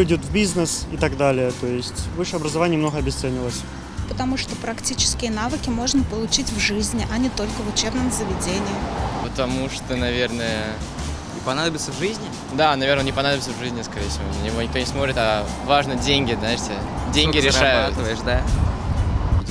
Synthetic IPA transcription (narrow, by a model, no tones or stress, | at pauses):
ɪdʲʊt̪vʲbʲiznəsɪt̪aɡd̪alʲɪjət̪o̞jɪsʲtʲvɨʂəjɐbɾəzɐvanʲɪjəmno̞ɣəɐbʲɪst̪sɛnʲɪlˠəsʲ | pət̪ɐmuʂt̪opɾɐktʲit͡ɕɪ̥skʲɪjənavɨkʲɪmo̞ʐnəpəlˠʊt͡ɕitʲvʐɨzʲnʲɪʔɐnʲɪt̪o̞lʲkəvʊt͡ɕebnəmzəvʲɪdʲenʲɪjɪpət̪ɐmuʂt̪onɐvʲe̞rnəjə | ɪpɐnad̪əbʲɪt̪səvʐɨzʲnʲɪ | d̪anɐvʲernonʲnɪpɐnad̪əbʲɪt̪səvʐɨzʲnʲɪskɐɾʲejfsʲɪvonənʲɪvonʲɪkt̪onʲɪsmot̪ɾʲɪt̪ɐvaʐnədʲenʲɡʲɪznaɪʂtʲɪ | dʲenɡʲɪɾʲɪʂajʊat̪əvəjɪʂd̪a